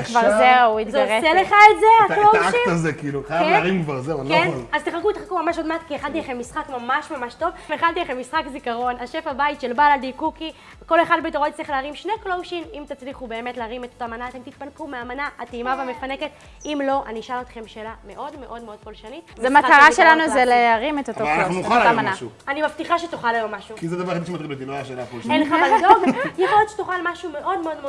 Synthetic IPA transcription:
kvaʁzeuit̪zooʁseleχaetzealoaʃiazekiiluχajaeʁimkvaʁzeankenazt̪eχakuit̪χakumamaʃodmatkieχant̪ilaχemːisχakmamaʃmamaʃto̞vmeχant̪ilaχemːisχakzikaʁo̞naʃefabait̪ʃelbalald̪ikuki | ko̞leχad̪bet̪oʁot̪t͡sliχleaʁimʃneklowʃimimt̪at͡sliχube̞ːme̞tleaʁimet̪otamanaːt̪e̞mt̪it̪̚pankumeamanaʔatiimaveamefane̞ke̞t̪ | imlo̞ʔaniʃalot̪χe̞mʃelame̞ʔo̞dme̞ʔo̞dmeo̞d̪̚ko̞lʃanizeamataʁaʃelanuzeleaʁimet̪ot̪okaouaamanaʃuanimaft̪iχaʃetuχalajomaʃukizɛd̪avaʁad̪iʃemat̪ʁilet̪̬iloaaʃenakuenleχaald̪oɡjeχolet̪ʃe̥t̪uχalmaʃume̞ʔo̞d̪meo̞d̪meo

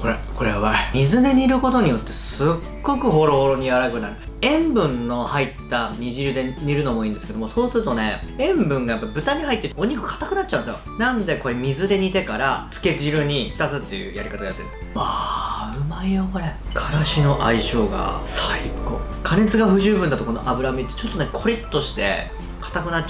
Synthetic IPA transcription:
ko̞ɾeko̞ɾe̞βamʲizɨd̪e̞ɲ̟iɾɯ̟ko̞t̪o̞ɲ̟ijo̞t̪ːe̞sɨɡːo̞kɯ̟ɦo̞ɾo̞ho̞ɾo̞ɲ̟iaɾakɯ̟naɾɯ̟ | ẽ̞mbɯ̟̃nːo̞hait̪ːaɲ̟iʑiɾɯ̟d̪e̞ɲ̟iɾɯ̟no̞mo̞ĩːnd̪eske̞d̪o̞moso̞ːsɨɾɯ̟t̪o̞ne̞ẽ̞mbɯ̟̃ŋɡajapːabɯ̟t̪aɲ̟ihait̪ːeit̪oɲ̟ikɯ̥kʰḁt̪ːakɯ̟natt͡ɕːã̟nesjo̰nãnd̪e̞ko̞ɾemʲizɨd̪e̞ɲ̟it̪e̞kaɾat͡sɨ̥ke̞ʑiɾɯ̟ɲ̟it̪at͡sɨt̪ːe̞jɯ̟̰ːjaɾʲikat̪aɡajat̪ːet̪aɯ̟maijokoɾekʰaɾaɕino̞ʔaiɕo̞ːɡa̰saikokʰane̞t͡sɨɡaɸɯ̟ʑɨːbɯ̟nd̪at̪o̞kono̞ʔabɯ̟ɾamʲit̪ːe̞t͡ɕo̞t̪ːo̞nekʰo̞ɾʲit̪ːo̞ɕi̥t̪e̞̰ | kʰḁt̪akɯ̟nat͡ɕː

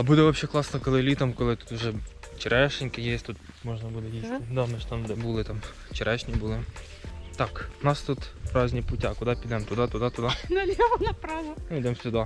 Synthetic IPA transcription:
ɐbud̪ɛʋɐpʃɛklˠɑsnɐkɔlˠɪlʲit̪ɐmkɔlˠɪt̪u̥t̪ʊʒɛ | t͡ʃɛɾʔɛʃɪnʲkɪjɛsʲt̪ut̪ | mɔʒnɐbud̪ɛjʲist̪ɪd̪ɑwnɐʃt̪ɑmd̪ɛbulˠɪt̪ɑm | t͡ʃɛɾʔɛʃnʲibulˠɪ | t̪ɑknɑst̪ut̪pɾɑzʲnʲipʊtʲɑkʊd̪ɑpʲid̪ɛmt̪ʊd̪ɑt̪ʊd̪ɑt̪ʊd̪ɑnɐlʲɛʋɐnɐpɾɑzɐnʊid̪ɛmsʲʊd̪ɑ

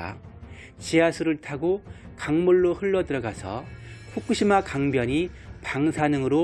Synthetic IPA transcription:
t͡ɕiasʰuɾɯɭtʰaɡokaŋmuɭːohɯɭːʌdɯɾʌɡasʰʌɸʰok͈ʰɯɕʰimakaŋbjʌɲipaŋsʰanɯŋɯɾo

